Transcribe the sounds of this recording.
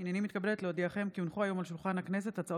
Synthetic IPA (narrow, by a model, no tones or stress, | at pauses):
injanimit̪kabelet̪leod̪iaχe̞mkiunχuajo̞malʃulχanhakne̞s̬e̞t̪at͡sao